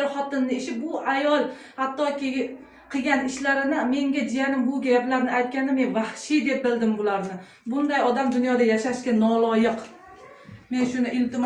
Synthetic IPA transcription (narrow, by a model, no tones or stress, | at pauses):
ɾχɒt̪ɪnːɪɪʃɪbʊʔajɒlˠ | hat̪ːɒkʲɪ | qʰɨɡʲanɪʃlaɾɪnɪme̞ŋɡʲad͡ʒijanɪmbʊɡʲaaplaɾnɪajt̪̚kʲanɪmenvahʃɪd̪e̞p̚bɪld̪ɪmbʊlaɾnɪ | bʊnd̪ajɒd̪amd̪ʊnjɒd̪ajaʃaʃkʲanɒlˠɒjɨq | me̞nʃʊnɪʔɪlt̪ɪm